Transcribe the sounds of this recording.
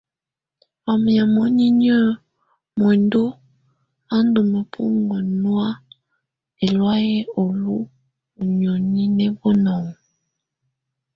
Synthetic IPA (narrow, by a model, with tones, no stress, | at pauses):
a˨m˨a˨mɔ˦ɲi˦ɲə˦ | mɔ˨ndu˦ | a˦n˦du˨mə˨pʰṵ˦ŋɡɔ˨nwa˦ | e˨lwa˦jɛ˦o˨lu˦ | u˨ɲo˨ɲi˦nɛ˦bɔ˦nɔ˨ŋ˨